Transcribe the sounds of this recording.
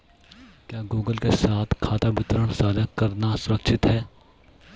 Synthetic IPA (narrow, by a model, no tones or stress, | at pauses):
kjaːɡuːɡəlkesaːt̪ʰkʰaːt̪abɪt̪ɾəɽ̃saːd̪akɐɾnasʊɾəkʃɪt̪ɦɛː